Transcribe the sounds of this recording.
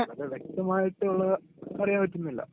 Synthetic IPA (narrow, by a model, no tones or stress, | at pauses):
ɐðɨʋjek̚t̪ɐmaːjiʈːɨoɭːɐpɐrɐjaːmpɐtːunːilːɐ̰